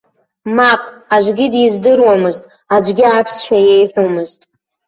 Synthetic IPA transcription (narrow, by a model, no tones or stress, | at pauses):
maqʼaʒʷɡʲidjizdɨrwamɨztʼ | ad͡ʒʷɡʲɪapʰsʃʷʰajejħʷᶣomɨztʼ